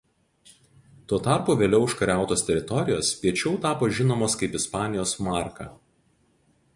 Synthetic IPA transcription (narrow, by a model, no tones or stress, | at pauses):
t̪uɔt̪ɑˑɾpuːʋʲeːlʲɛʊɪʃkɐɾʲæˑʊt̪oːst̪ʲɛɾʲɪt̪ɔɾʲɪjoːspʲiɛt͡ʃʲɛʊt̪ɑːpoːʒʲɪnoːmoːskɐɪpɪspɑːnʲɪjoːsmɑːˑɾkɐ̰ː